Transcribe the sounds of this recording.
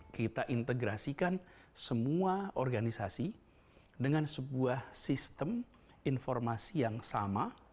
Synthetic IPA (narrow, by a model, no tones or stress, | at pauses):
kit̪aʔint̪əɡɾasikansəmuaɔrɡanisasi | dəŋansəbuahsist̪əm | infɔrmasijaŋsama